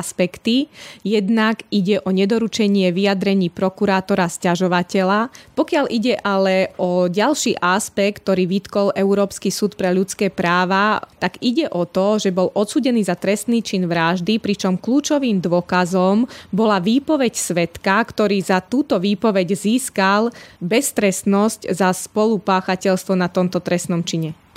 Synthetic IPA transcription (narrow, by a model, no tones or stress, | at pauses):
spɛkt̪ijɛd̪naɡiɟɛʔɔɲɛd̪ɔɾut͡ʃɛɲɪɛʋijad̪ɾɛɲiːpɾɔkuɾaːt̪ɔɾascaʒɔʋacɛʎapɔkɪalʔiɟɛʔalɛʔɔɟalʃiːʔaspɛk̚t̪ːɔɾiːʋit̪kɔlɛuɾɔːpskisuːt̪pɾɛʎut͡skɛːpɾaːʋat̪aɡiɟɛʔɔt̪ɔʒɛbɔlʔɔt̪suːɟɛniːzat̪ɾɛst̪niːt͡ʃinʋɾaʒd̪ipɾit͡ʃɔmkluːt͡ʃɔʋiːmd̪ʋɔkazɔmbɔlaʋiːpɔʋɛcsʋɛt̪kakt̪ɔɾiːzat̪uːt̪ɔʋiːpɔʋɛɟziːskalbɛst̪ɾɛst̪nɔsczaspɔlupaːxacɛʎst̪ʋɔnat̪ɔmt̪ɔt̪ɾɛst̪nɔmt͡ʃiɲɛ